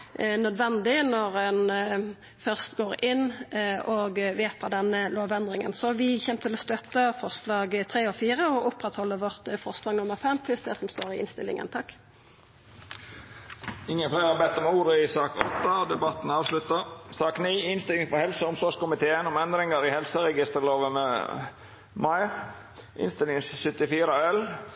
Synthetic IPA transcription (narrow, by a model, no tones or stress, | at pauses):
nœd̪ʋɛnd̪ɪnɔʁɛn | fœʁst̪ɡoːɾɪnːɔɡʋeːt̪ʰɑd̪ɛnːəloːʋɛnd̪ʁɪŋə̰nsɔʋɪçɛmt̪ʰɪlɔst̪œt̪ːəfɔʁslɑːɡt̪ʰʁeːɔfiːʁəɔʔʊpːʁɛt̪hɔlːəʋɔʁt̪fɔʁslɑːɡnʊmːəʁfɛmːpʰlʉsd̪ɛsɔmst̪oːɾɪɪ̰nst̪ɪlɪ̰ŋə̰nt̪ʰɑkː | ɪŋːənfleːɾhɑbɛt̪ːɔmuːɾəɪsɑːkɔ̰t̪ːɑd̪ɛbɑt̪ːn̩ɑːʋslʉt̪əsɑːkniːɪnst̪ɪlɪŋfɔɾhɛlsəɔmsɔʂkʊmɪt̪ʰeːənɔmɛnd̪ɾɪŋəɾɪhɛlsəɾɛɡɪst̪əɾloːʋəmɛ̰ | mɑɪ | ʔɪ̰nst̪ɪlɪŋsʏt̪ɪfiːɾəɛl